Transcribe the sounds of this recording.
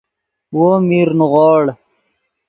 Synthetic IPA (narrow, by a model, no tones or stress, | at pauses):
woːmiːɾnuʁɔːɽ